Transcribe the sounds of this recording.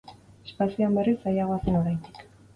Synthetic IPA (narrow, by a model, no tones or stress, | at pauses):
espasioambearisajaɣoaseno̞ɾajnd̪ik